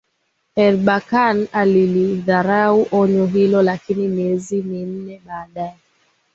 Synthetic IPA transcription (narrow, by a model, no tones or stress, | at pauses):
ɛɾɓakanaliliðaɾauʔɔɲɔɦilɔlakinimiɛzimin̩nɛɓaːɗaɛ